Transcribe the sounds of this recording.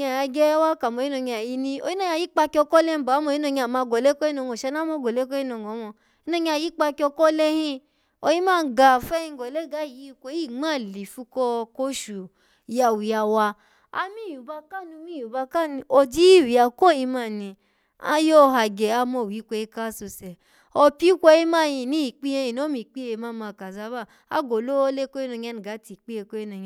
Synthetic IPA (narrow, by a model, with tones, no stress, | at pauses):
a˨ja˧ɡɛ˦wa˦ka˨mo˧˦i˦no˧˨ɲ˧a˨ji˧nĩ˦o˧˦i˦nõ˦˧ɲ˧˨i˨˦k͡pa˧ki˧ɔ˧kɔ˦le˦˧˦ba˨˦mɔ˧˨˦i˦no˧ɲ˧a˨ma˧˨ɡɔ˨le˦kɔ˦i˦nɔ˧˨ɡɔ˨ʃɛ˧na˦mɔ˧˦˨ɡɔ˨le˦kɔ˦i˦nɔ˧˨ŋɔ˨˦mɔ˧ | i˧˦no˧˦ɲ˧˦a˧˨ji˨˦k͡pa˧ki˧˦ɔ˧kɔ˦le˦hĩ˧ | o˧˨ji˦mãː˦˧˨ɡa˨fɛ˦ĩ˧˦ɡɔ˨le˦ɡa˨˦˨ji˨˦˧kʷo˧˦i˦˨ŋ͡ma˦˨li˨fu˧kɔ˧ko˦ʃu˨˦ | a˨wi˨a˧˨wa˧ | a̰˧mi˦˨ju˨ba˧ka˦˨nũ˧˦mi˦˨ju˨ba˧ka˦˨nĩ˧˨o˧di˦˨wi˨a˨ko˦˨ji˧ma˧˨nĩ˧ | a̰˧˦jo˦˧ɦa˧˨ɡɛ˨a˧mɔ˧˨wi˨˦kʷɛ˧i˧˦ka˦su˧sɛ˨ | ɔ˧pi˦kʷɔ˧ji˦ma˦˨jĩ˧˨nĩ˦i˨k͡pi˦e˧jĩ˨no˦mĩ˧˨k͡pi˦e˧˨ma˦˨ma˧˨ka˨za˧˦ba˦˨ | a˦ɡo˨lo˦le˦ko˦i˦no˧ɲ˦a˧˦n˨ɡa˨˦ti˨k͡pi˦e˧ko˦i˦no˧˨ɲ˨